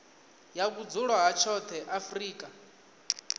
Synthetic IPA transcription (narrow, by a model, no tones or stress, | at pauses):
jak̬ud͡zuɺwaɦat͡ʃʰɔt̪ʰɛʔafriːkʼa